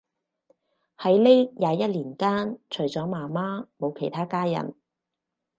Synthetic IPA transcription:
hɐ˨˥jle˥jjaː˨˧jɐ˥t̚liː˨˩nkaː˥nt͡ʃʰɵ˨˩ɥt͡sɔː˨˥maː˨˩maː˥mo˨˧wkʰe˨˩jt̪ʰaː˥kaː˥jɐ̰˨˩n

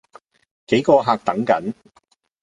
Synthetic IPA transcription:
ke˨˥jkɔː˧ɦaː˧k̚t̪ɐ˨˥ŋkɐ̰˨˥n

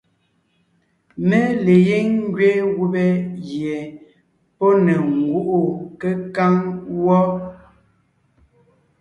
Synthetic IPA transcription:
me˦le˨je˦ŋŋ˦ɡɥe˦ɣu˦bɛ˦ɣjɛ˨ | pɔ˦ne˨ŋ˨ɡu˦ʔo˨kə˦ka˦ŋwɔ˦

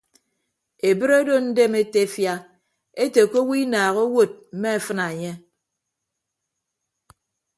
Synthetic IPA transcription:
e˨bɨ˦ɾe˦do˦n̩˦de˦me˦te˦fja˦ | e˦te˨ko˦wi˦naː˨ɣo˦wo˦˨t̚m̩˨me˦e˨fɨ˦na˨e˨ɲe˦

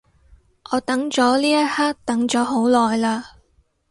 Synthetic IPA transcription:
ʔɔː˨˧t̪ɐ˨˥ŋt͡sɔː˨˥liː˥jɐ˥t̚haː˥k̚t̪ɐ˨˥ŋt͡ʃɔː˨˥ɦo˨˥wlɔː˨jlaː˧

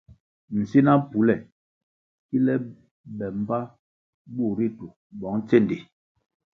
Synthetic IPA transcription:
n̩˨si˦na˦pu˨˦lɛ˦˨ | ki˦lɛ˦ | ɓɛ˨m˦ba˦ | bu˦˨ɾi˦tu˨ | bɔ˨˦ŋt͡se˦˨ndi˨

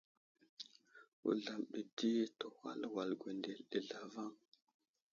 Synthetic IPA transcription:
ṵ˨ɮa˨mɗi˨di˦to˨wa̰˦lwa˨lɡʷe˨nde˨lɗi˨ɮa˨va˦˨ŋ

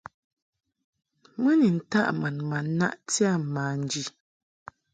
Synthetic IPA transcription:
mə˦ni˨n̩˨ta˦ʔma˨nma˨n˦na˦ʔti˦a˦˨maː˨˦n̩˨˦d͡ʒi˨

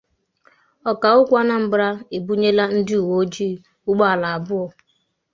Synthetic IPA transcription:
ɔ˨ka˨ʊ˦kʷa˦na˦m̩˦bɾa˦e˨bu˦ɲe˦la˦n̩˦dɪ˦u˨wo˦d͡ʒi˦˨ | ʊ˦ɡ͡ba˦a˨la˨a˨bʊ˦ɔ˨

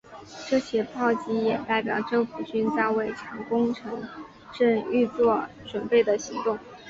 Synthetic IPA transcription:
ʈ͡ʂɤ˥˩ɕjɛ˥pʰɑ˥˩ʊt͡ɕi˥jɛ˨˩t̪a˥˩ɪpjɑ˨˩ʊʈ͡ʂɤ˥˩ŋfu˨˩t͡ɕy˥nt͡sa˥˧ɪwe˥˩ɪʈ͡ʂʰɑ˧˥ŋkʊ˥ŋʈ͡ʂʰɤ˧˥ŋ | ʈ͡ʂɤ˥˧ŋy˥˧t͡swɔ˥˩ | ʈ͡ʂwə˨˩npe˥˩ɪd̪ə˩ɕi˧˥ŋt̪ʊ˥˩ŋ

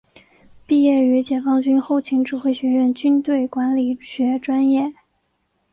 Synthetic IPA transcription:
pi˥˧jɛ˥˩y˧˥t͡ɕjɛ˨˩fɑ˥ŋt͡ɕy˥nxo˥˩ʊt͡ɕʰi˧˥ŋʈ͡ʂɻu˨˩xwe˥˩ɪɕɥɛ˧˥ɥɛ˥˩nt͡ɕy˥nt̪we˥˩ɪkwa˧˥nli˨˩ɕɥɛ˧˥ʈ͡ʂwa˥njɛ˥˩

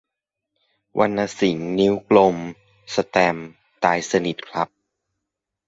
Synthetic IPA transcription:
wʔa˧nʔa˧si˩˦ŋni˦˥wklo˧m | sa˧t̪ɛː˧m | t̪aː˧jsa˧ni˨˩t̪̚kʰla˦˥p̚

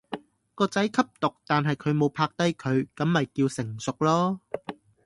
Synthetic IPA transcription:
kɔː˧t͡sɐ˨˥jkʰɐ˥p̚t̪ʊ˨k̚t̪aː˨nɦɐ˨jkʰɵ˨˧ɥmo˨˧wpʰaː˧k̚t̪ɐ˥jkʰɵ˨˧ɥkɐ˨˧˥mːɐ˨jkiː˧wsɪ˨˩ŋsʊ˨k̚lɔː˥

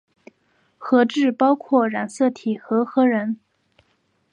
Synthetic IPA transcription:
xɤ˧˥ʈ͡ʂɻ̩˥˩pɑ˥ʊkʰwɔ˥˩ɻa˨˩nsɤ˥˩t̪ʰi˨˩xɤ˧˥xɤ˧˥ɻə˧˥n

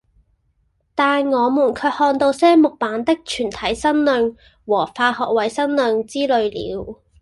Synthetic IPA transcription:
t̪aː˨nŋɔː˨˧muː˨˩nkʰɵ˨˧˥hɔː˧nt̪o˧wsɛː˥mʊ˨k̚paː˨˥nt̪ɪ˥k̚t͡ʃʰyː˨˩nt̪ʰɐ˨˥jsɐ˥nlœː˧ŋ | wɔː˨˩faː˧hɔː˨k̚wɐ˨˥jsɐ˥nlœː˨˧ŋt͡siː˥lɵ˨˧ɥlḭː˨˧w

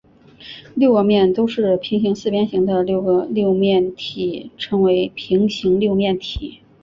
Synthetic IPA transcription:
ljo˥˧ʊɡə˥˧mjɛ˥˩nt̪o˥ʊʂɻ̩˥˩pʰi˧˥ŋɕi˧˥ŋsɹ̩˥˩pjɛ˥nɕi˧˥ŋd̪ə˧ljo˥˩ʊɡə˧ljo˥˧ʊmjɛ˥˩nt̪ʰi˨˩˦ʈ͡ʂʰɤ˧˥ŋwe˧˥ɪpʰi˧˥ŋɕi˧˥ŋljo˥˧ʊmjɛ˥˩nt̪ʰi˨˩˦

